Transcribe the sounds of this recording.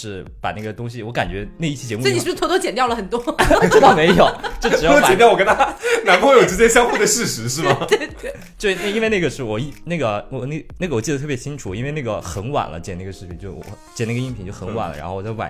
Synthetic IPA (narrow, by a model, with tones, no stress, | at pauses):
ʂɻ̩˥˩pa˨˩na˥˩ɡə˩t̪ʊ˥ŋɕi˨wɔ˧˥ka˨˩nt͡ɕɥɛ˧˥na˥˧i˥˩t͡ɕʰi˥˩t͡ɕjɛ˧˥mu˧˥˩i˨˥˩t̪ɔ˥t͡ɕjɛ˨˩nt̪jɑ˥˩ʊlə˩xə˨˩nt̪wɔ˥ɔ˨˩ʈ͡ʂɻ̩˥t̪ɑ˥˩ʊme˧˥ɪjo˨˩˦t͡ɕjo˥˩ʊʈ͡ʂ̩˨˩jt͡ɕɛ˧˨njwɔ˨kə˥nt̪ʰa˥na˧˥npu˧xwe˥˩jo˨˩ʈ͡ʂɻ̩˧˥t͡ɕjɛ˥ɕjɑ˥ŋxu˥˩d̪ə˩ʂɻ̩˥˧ʂɻ̩˧˥ʂɻ̩˥˩bɐ˩t̪we˥˩ɪt̪e˥˩ | t͡ɕna˥˩i˥nwe˥˧ɪna˥˩ɡə˩ʂɻ̩˥˩wɔ˨˩i˥˧na˥˩ɡə˩wɔ˨˩n˥˩na˥˩ɡə˩wɔ˨˩t͡ɕi˥˩ə˩t̪ʰɤ˥˩pjɛ˧˥t͡ɕʰi˥ŋʈ͡ʂʰu˨˩i˥nwna˥˩ɡə˩xə˧˥nwa̰˨˩nlə̰˦t͡ɕjɛ˨˩n˥˩ɡə˩ʂɻ̩ʰ˥˩i˧˩˦t͡ɕjo˥˩wɔ̰˧˩ | t͡ɕjɛ˨˩n˥˩ɡə˧i˥˩pʰt͡ɕo˥˩xə˧˥nwa̰˨˩nlə̰˦ɻa̰˧˥nxʊɔ˨˩t͡swa̰˨˩